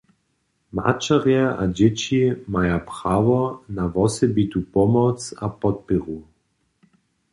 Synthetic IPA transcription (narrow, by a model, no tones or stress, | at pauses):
ma̰t͡ʃaʁjɛʔad͡ʑɛt͡ɕimajapʁ̥avɔnavɔsɛbit̪upɔmɔt͡sapɔt̪̚pɛɣu